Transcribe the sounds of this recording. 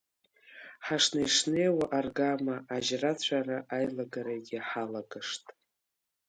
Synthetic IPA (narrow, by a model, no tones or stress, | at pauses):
ħaʂnajʂnejwaʔarɡamaʔaʒrat͡ɕʷʰaraʔajlaɡaɾaɡʲɪħalaɡaʂtʼ